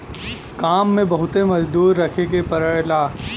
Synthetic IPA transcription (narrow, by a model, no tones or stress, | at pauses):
kaːmːẽbɐɦʊt̪emɐd͡ʒd̪uːɾːɐkʰekepɐɾəlaː